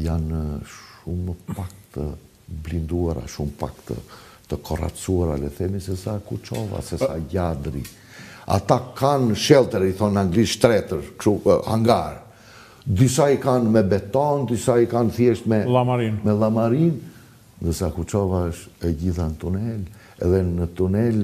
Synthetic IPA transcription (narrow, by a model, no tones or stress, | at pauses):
janʃuməpak̚t̪ə | blind̪uaɾa̰ʃumpa̰kt̪ə̰ | t̪əkʰɔra̰t͡suaɾa̰lɛθɛmisɛsakut͡ʃɔva̰sɛsaɟad̪ɾḭ | a̰t̪akanʃɛlˠt̪ɛɾiθɔnaŋɡliʃt̪ɾɛt̪əɾkʃuha̰ŋɡaɾ | d̪ysaikanmɛbɛt̪ɔnd̪ysaikanθjɛʃt̪mɛamaɾinmɛlˠamaɾin | nd̪əɾsakut͡ʃɔvaəʃɛɟiθanət̪unɛl | ɛðɛnət̪unɛl